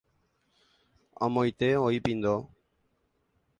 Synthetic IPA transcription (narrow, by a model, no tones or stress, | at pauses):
ɔ̰mojt̪eojpind̪o